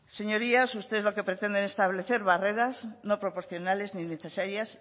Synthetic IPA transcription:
se̞ɲo̞ɾiasust̪eezloke̞pɾet̪e̞nd̪enest̪aβ̞le̞θe̞ɾβare̞ɾazno̞pɾo̞po̞ɾθjo̞nale̞znineθe̞saɾjas

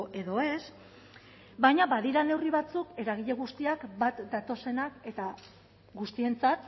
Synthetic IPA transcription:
ʔe̞ðo̞e̞s | bajɲaβaðiɾane̞wriβat͡suke̞ɾaɣ̞iʎe̞ɣ̞ust̪iakbat̪d̪at̪o̞se̞nake̞t̪a | ɡust̪ie̞nt͡sat̪

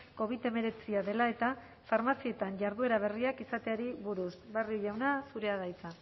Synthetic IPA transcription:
ko̞β̞it̪e̞me̞ɾe̞t͡siaðe̞lae̞t̪a | faɾmasie̞t̪anʝaɾðue̞ɾaβ̞e̞riakisat̪e̞aɾiβuɾusbarioʝawnasuɾe̞aɣajt͡sa

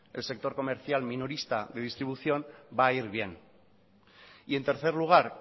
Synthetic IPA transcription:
e̞lse̞k̚t̪o̞ɾko̞me̞ɾθjalminoɾist̪aðe̞ð̞ist̪ɾiβuθjo̞nbaiɾβje̞n | ie̞nt̪e̞ɾθe̞ɾluɣ̞aɾ

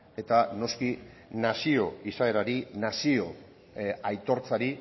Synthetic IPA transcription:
e̞t̪ano̞skinasio̞isaeɾaɾinasio̞ | ajt̪o̞ɾt͡saɾi

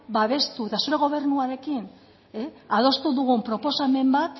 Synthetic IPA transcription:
baβe̞st̪ue̞t̪asuɾe̞ɣo̞β̞e̞ɾnuaɾe̞kin | eað̞o̞st̪uðuɣumpɾo̞po̞same̞mbat̪

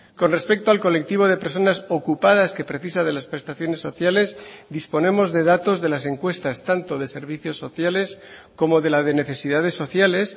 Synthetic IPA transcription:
ko̞nre̞spe̞k̚t̪oalko̞le̞k̚t̪iβ̞o̞ð̞e̞pe̞ɾs̬o̞naso̞kupað̞aske̞pɾe̞θisað̞e̞laspɾe̞st̪aθjo̞ne̞sːo̞θjale̞zd̪ispo̞nẽ̞mo̞zðe̞ð̞at̪o̞zðe̞lase̞ŋkwe̞st̪ast̪ant̪o̞ðe̞se̞ɾβ̞iθjo̞sːo̞θjale̞sko̞mo̞ðe̞laðe̞ne̞θe̞siðað̞e̞sːo̞θjale̞s

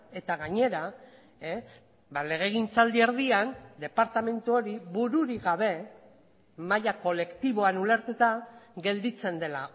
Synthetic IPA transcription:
e̞t̪aɣaɲe̞ɾa | bale̞ɣ̞e̞ɣ̞int͡sald̪ieɾðiand̪e̞paɾt̪ame̞nt̪uo̞ɾiβuɾuɾiɣaβe̞ | majako̞le̞kt̪iβo̞anule̞ɾt̪ut̪aɣe̞ld̪it͡se̞nd̪e̞la

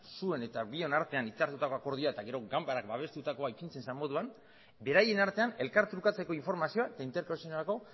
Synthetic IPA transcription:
sue̞ne̞t̪aβio̞naɾt̪e̞anit͡saɾt̪ut̪ako̞ako̞ɾð̞ioae̞t̪aɣe̞ɾo̞ɡambaɾakbaβ̞e̞st̪ut̪akoajpint͡se̞nsamo̞ðuan | be̞ɾaje̞naɾt̪e̞ane̞lkaɾt̪ɾukat͡se̞ko̞iɱfo̞ɾmasio̞ae̞t̪aint̪eɾkosionalako̞

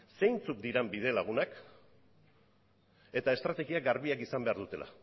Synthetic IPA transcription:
sejnt͡suk̚d̪iɾembið̞e̞laɣ̞unak | e̞t̪ae̞st̪ɾat̪e̞ɣiaɡaɾβiakisambe̞aɾðut̪e̞lʔa̰

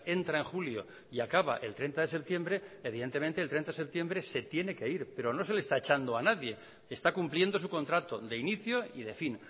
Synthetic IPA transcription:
e̞nt̪ɾaeŋxuljo̞ | iakaβ̞a̰ʔe̞lt̪ɾe̞nt̪aðese̞p̚t̪je̞mbɾe̞eβ̞iðe̞nt̪e̞ment̪elt̪ɾe̞nt̪aðesep̚t̪je̞mbɾe̞se̞t̪jene̞ke̞iɾpe̞ɾono̞se̞lest̪aet͡ʃand̪oanaðje̞ | eːst̪akumplje̞nd̪o̞s̬uko̞nt̪ɾat̪o̞ðe̞iniθjo̞iðe̞fin

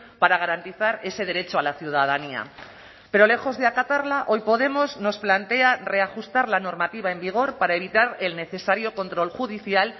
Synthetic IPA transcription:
paɾaɣ̞aɾant̪iθaɾe̞se̞ð̞e̞ɾe̞t͡ʃoalaθjuð̞að̞ania̰ | pe̞ɾo̞le̞xo̞zðeakat̪aɾlaʔo̞jpo̞ð̞e̞mo̞zno̞splant̪e̞are̞axust̪aɾlano̞ɾmat̪iβ̞aembiɣ̞o̞ɾpaɾae̞β̞it̪aɾe̞lne̞θe̞saɾjo̞kont̪ɾo̞lxuðiθjal

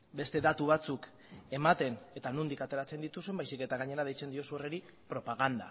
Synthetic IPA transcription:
be̞st̪e̞ðat̪uβ̞at͡suk | e̞mat̪e̞ne̞t̪anund̪ikat̪e̞ɾat͡se̞nd̪it̪usembajsike̞t̪aɣaɲe̞ɾað̞ejt͡se̞nd̪io̞sureɾi | pɾo̞paɣ̞and̪a̰

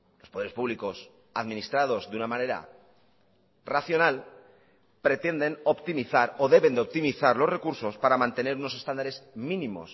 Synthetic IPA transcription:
lo̞spoeɾepuβliko̞s | aðmĩnist̪ɾað̞o̞zðunamane̞ɾa̰ | raθjo̞nal | pɾe̞t̪e̞nd̪e̞no̞pt̪imiθaɾo̞ðe̞βend̪eop̚t̪imiθaɾlo̞sre̞kuɾso̞spaɾamãnt̪e̞ne̞ɾuno̞se̞st̪and̪aɾe̞zmĩnĩmo̞̰s

